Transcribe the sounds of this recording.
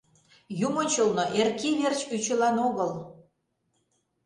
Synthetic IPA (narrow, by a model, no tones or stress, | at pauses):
jumənʲt͡ɕolˠnoʔerkiβert͡ɕyt͡ɕə̆lɑnoɣəl